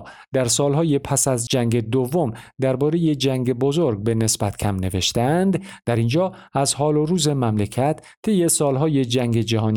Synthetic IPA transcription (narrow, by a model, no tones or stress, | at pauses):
d̪æɾsɒːlɦɒːjepʰæsæzd͡ʒæŋɡe̞d̪ovːo̞md̪æɾbɒːɾe̞je̞d͡ʒæŋɡebo̞zoɾɡ̚be̞ne̞sbæt̪ʰcʰæmne̞ve̞̰ʃt̪eænd̪d̪̥æɾind͡ʒɒːæzhɒːloɾuːze̞mæmlecʰæt̪ʰːe̞jːe̞sɒːlɦɒːje̞d͡ʒæŋɡe̞d͡ʒæɦɒːn